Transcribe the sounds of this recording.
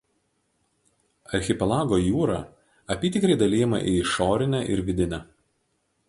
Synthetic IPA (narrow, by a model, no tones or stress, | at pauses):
ɐɾʲxʲɪpʲɛlˠɑːɡoːjuːɾɑː | ɐpʲiːt̪ʲɪkɾɐɪd̪ɐlʲiːjɛmɐ̰ʔiʃoːɾʲɪnʲɛʔɪ̰ɾʋʲɪd̪ʲɪnʲæː